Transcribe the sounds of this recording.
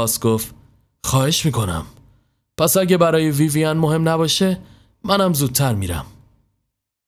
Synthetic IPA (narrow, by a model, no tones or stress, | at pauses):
sɡoft̪ | xɒːhe̞ʃmiːkʰo̞næ̰m | pʰæsæɟebæɾɒːjeviːviænmohe̞mnæbɒːʃe | mænæmzuːd̪̚t̪ʰæɾmiːɾæ̰m